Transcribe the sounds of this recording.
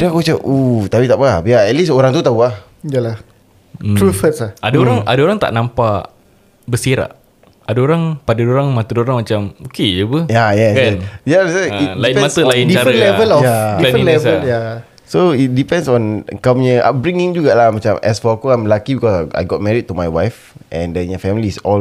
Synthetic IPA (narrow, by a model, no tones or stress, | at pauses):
dɛakot͡ʃaʔut̪apit̪aʔpəabaɛt̚lisoɾaŋt̪ut̪auah | jalah | ɾufətslaʔadaoɾaŋa̰daoɾaŋt̪a̰ʔnampa | bəsiɾa̰ʔ | adaoɾaŋpadədoɾaŋmat̪ədoɾaŋmat͡ʃamokeəbəjajajalasailaiiɛ̃mat̪əlaɪndit͡ʃaɾəlɛəlɔjdilɛvsəlja | soit̚dipɛ̃nsɔ̃nkamɲəʔa̰p̚bɹĩŋĩŋd͡ʒuɡaʔlahmat͡ʃamɛ̰sfɔakoajmlakibikɔsaa̰jɡɔt̚mɛɾit̚tːumajwajf | ʔɛ̃ndəɲafɛmilisɔl